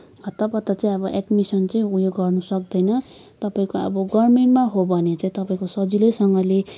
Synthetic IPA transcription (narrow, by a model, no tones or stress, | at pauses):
ʌt̪ʌpʌt̪ːʌt͡saĩʌbʌʔeɖmisʌnt͡saĩujoɡɡʌrnusʌk̚d̪ʌjnʌ | t̪ʌpaĩkoʌ̰bʌɡʌrmeɳʈmaɦobʱʌnet͡sãĩt̪ʌpaĩkosʌd͡zilʌsʌŋɡʌle